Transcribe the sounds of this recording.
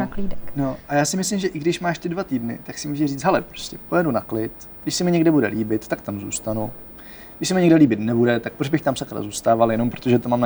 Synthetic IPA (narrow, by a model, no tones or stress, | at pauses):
akliːdɛkno̞ʔajaːsɪmɪslɪmʒɛʔɪɡdɪʃmaːʃt̪ɪdvat̪iːdnɪ̰t̪aksɪmuʒɛriːt͡s̪ɦɛlɛpɾo̞̥scɛpo̞jɛdunaklɪt̪ | ɡdɪʃsɛmɪɲɛɡdɛbudɛ̰liːbɪt̪ːak̚t̪amzṵːst̪anu | ɡdɪʃsɛmɪɲɛɡdɛliːbɪt̪nɛbudɛt̪ak̚pɾobɪxt̪amsakɾa̰zuːst̪aːvaljɛnompɾot̪o̞ʒɛt̪omaːmn